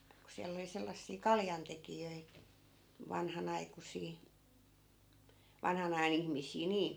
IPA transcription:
ku siælː oli selːɑsːiː kɑljɑntekijøi ʋɑnhɑnɑikusiː ʋɑnhɑn ɑjɑn ihmisˑiː niːn̞

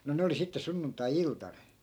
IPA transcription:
no ne oli sitːe sunːuntˑɑiːltɑn

